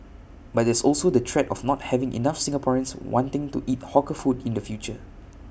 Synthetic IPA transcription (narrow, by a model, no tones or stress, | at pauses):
bat̚dɛsɔlsodətʰɹɛtɔfnɔt̚hɛvɪ̃ŋʔḭnafsɪ̃ŋəpʰɔɹə̃nswɔ̃ntɪ̃ŋtuʔit̚hɔkəfudĩndəfjut͡ʃə